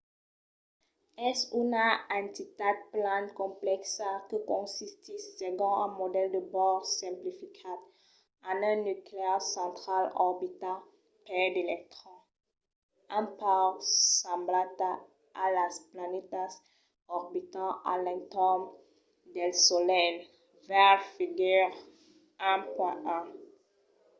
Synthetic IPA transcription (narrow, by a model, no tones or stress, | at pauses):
ɛsynaɛ̃nt̪it̪ad̪̚plãnkɔ̃plɛksakəkɔ̃sist̪isːeɡɔ̃ɛ̃mod̪ɛld̪əbɔʁsɛ̃mplifikʰat̪ | ãnɛ̃nykleaʁsɑ̃t̪χalɔʁbit̪a | pɛd̪elɛk̚t̪χɑ̃ | ãpaʁsãmblat̪a | alasplanet̪as | ɔʁbit̪ɑ̃a̰lɛ̃ŋt̪ɔm | d̪ɛlsolɛn | vɛʁfiɡɛʁ | ɛ̃pwɛ̃ʔɛ̃